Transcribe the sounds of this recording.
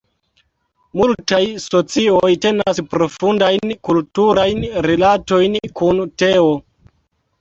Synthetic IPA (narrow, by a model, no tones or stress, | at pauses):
multajso̞t͡siojte̞naspɾo̞fundajnkultuɾajnɾelato̞jnkunte̞o